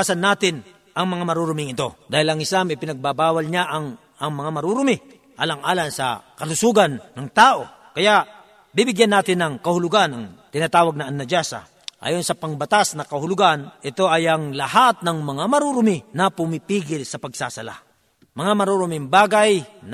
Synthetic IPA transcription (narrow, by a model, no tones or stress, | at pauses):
sɐnːaːt̪ɪn | ʔɐŋmɐŋamɐɾuɾʊmɪŋɪt̪o̞d̪aːhɪlɐŋɪsamɪpɪnɐɡ̚babaːwɐlɲaʔɐŋ | ɐŋmɐŋamɐɾuɾʊmɪ | ʔaːlaŋʔaːlaŋsɐ̰kɐlʊsuːɡɐnːɐŋt̪aːʔo̞ | kɐjaʔ | bibɪɡjanːaːt̪ɪnːɐŋkɐhʊlʊɡanɐŋt̪ɪnaːt̪aːwɐɡ̚nɐɐnːɐd͡ʒasa̰ | ʔa̰ːjonsɐpɐŋbɐt̪asnɐkɐhʊlʊɡanʔɪt̪o̞ʔɐjɐŋlɐhat̪̚nɐŋmɐŋamɐɾuɾʊmɪnɐpʊmipiːɡɪlsɐpɐɡsa̰sɐla̰ | mɐŋamɐɾuɾʊmɪŋbaːɡajn